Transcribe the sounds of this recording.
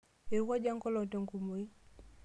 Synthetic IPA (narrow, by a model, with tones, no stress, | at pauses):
e˨wa˦d͡ʒa˦ŋ˦kɔ˦lɔ˨te˨ŋku˨mo˨i˦